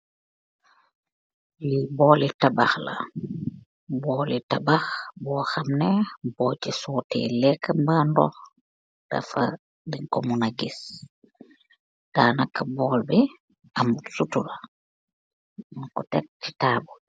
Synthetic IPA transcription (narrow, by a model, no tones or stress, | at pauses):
libɔːlitabaxla̰ | bɔːlitabaxbɔːxamnɛbɔt͡ʃisɔːtɛ̰lɛkːambandɔ̰x | d̥a̰fa̰ | diŋkomunaɡis | d̥aːnakːabɔːlbɛ | amutsutuɾa | munkɔtɛk̚ti̥taːbu